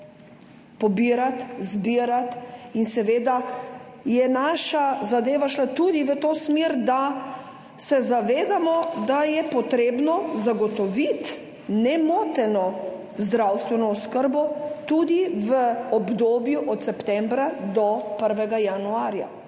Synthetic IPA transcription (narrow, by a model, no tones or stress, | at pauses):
pɔbiːɾat̪zbiːɾat̪insɛʋeːd̪a | jɛnaːʃazad̪eːʋaʃlat̪ud̪iʋət̪oːsmiɾd̪a | sɛzaʋeːd̪amɔd̪ajɛpɔt̪ɾeːbnɔzaɡɔt̪ɔʋit̪ | nɛmoːt̪ɛnɔ | zd̪ɾawst̪ʋɛnɔɔskəɾbɔt̪ud̪iʋəɔbd̪oːbjuʔɔt̪sɛpt̪ɛmbɾad̪ɔpəɾʋɛɡajanuaːɾja̰